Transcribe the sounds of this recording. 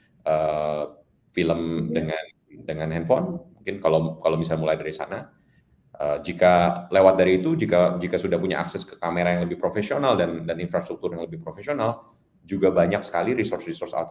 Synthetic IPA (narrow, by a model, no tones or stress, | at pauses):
ʔə | filəmdəŋan | dəŋanɦɛnfɔnmuŋkɪnkalokalowmisalmulajdaɾisa̰na | ʔəd͡ʒikalewat̪̚daɾiːt̪ud͡ʒikad͡ʒikasudahpuɲa̰ʔa̰ksɛskə̥kameɾajaŋləbɪhpɾofesionaldandaninfɾast̪ɾuk̚t̪ʊrjaŋləbɪhpɾofesional | d͡ʒuɡabaɲak̚sə̥kaliɾisɔrsrisɔrsa̰t̪